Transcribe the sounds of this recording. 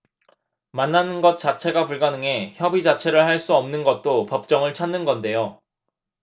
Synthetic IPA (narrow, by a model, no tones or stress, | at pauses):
manːanɯnɡʌt̚t͡ɕ͈at͡ɕʰe̞ɡapuɭɡanɯŋe̞çjʌbid͡ʑat͡ɕʰe̞ɾɯɭhaɭs͈uʌmnɯnɡʌt̚t͈opʌp̚t͡ɕ͈ʌŋɯɭt͡ɕʰanːɯnɡʌnde̞jo